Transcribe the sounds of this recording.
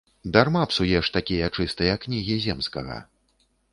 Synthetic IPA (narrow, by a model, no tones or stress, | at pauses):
d̪armapsujɛʂt̪akʲijɐt͡ʂɨst̪ɨjɐkːnʲiɣʲizʲɛmskɐɣɐ̰